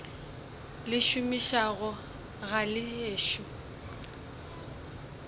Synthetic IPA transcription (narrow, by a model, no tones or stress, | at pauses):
lɪʃʊmiʃaɣʊ | ɣalɪeːʃu